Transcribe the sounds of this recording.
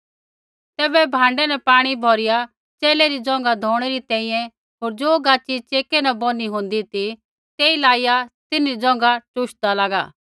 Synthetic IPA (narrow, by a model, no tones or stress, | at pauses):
t̪ɛːbɛbʱãːɳɖɛnɛpaːɽ̃ibʱɔːɾɪja | t͡ʃeːlɛɾid͡zɔ̃ŋɡad̪ʱɔːɽ̃ɛɾit̪ɛ̃ːĩjɛ̃ | ɦoːɾd͡ʒoːɡaːt͡ʃːit͡ʃeːkɛnabɔniɦʊ̃nd̪it̪i | t̪eːilaːijat̪ɪnɾid͡zɔ̃ːŋ̆ɡaʈʊʃd̪alaɡa̰ː